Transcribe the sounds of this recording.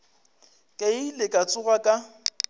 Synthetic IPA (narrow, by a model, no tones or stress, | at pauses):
kʼeilɪkʼat͡sʼʊɣakʼa